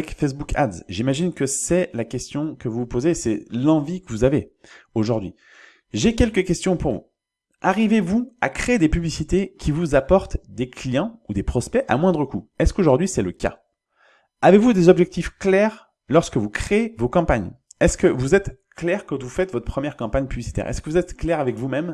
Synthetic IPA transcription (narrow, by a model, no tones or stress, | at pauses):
ɛkfɛs̬bukʰa̰d̪zʒimaʒinkəsɛlakʲɛst̪jɔ̃kəvupozesɛ̰lɑ̃vikəvuzaveoʒuʁd̪ɥi | ʒekʲɛlkəkʲɛst̪jɔ̃puʁvṵ | aʁivevua̰kχeːd̪epyblisit̪ekʲʰivuzapɔʁt̪d̪eklijɑ̃ud̪epχɔspɛʔa̰mwɛ̃d̪ʁəkuɛskoʒuʁd̪ɥisɛləka̰ | avevud̪ezɔbʒɛk̚t̪ifklɛʁ | lɔʁskəvukχeevokɑ̃paɲ | ɛskəvuzɛt̪ | klɛʁkɑ̃t̪vufɛt̪vɔt̪χpχəmjɛʁkɑ̃paɲpyblisi̥t̪ɛ̰ʁɛ̰skəvuzɛt̪klɛʁavɛkvumɛm